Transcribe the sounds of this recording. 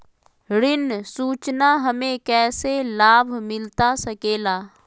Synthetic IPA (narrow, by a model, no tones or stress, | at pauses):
ɾɪnsuːt͡ʃnaɦɐmẽkɛːselaːbʱmɪlt̪asɐkeːlaː